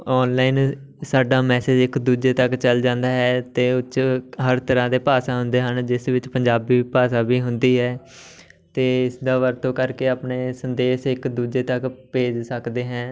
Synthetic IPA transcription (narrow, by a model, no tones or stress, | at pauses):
ɔːnlaːɪn | saːɖaːmɛːseːd͡ʒɪkd̪uːd͡ʒeːt̪əkt͡ʃəld͡ʒãːnd̪aːɦɛːt̪eːʊt͡ʃɦəɾt̪əɾãːd̪eːpaːsãːɦʊnd̪eːɦənd͡ʒɪsʋɪt͡ʃpəɲd͡ʒaːbiːpaːsaːbiːɦʊnd̪iːɦɛː | t̪eːɪsd̪aːʋəɾt̪õːkəɾkeːaːpneːsənd̪eːʃɪkd̪uːd͡ʒeːt̪əkpeːd͡ʒsəkd̪eːɦɛ̃ː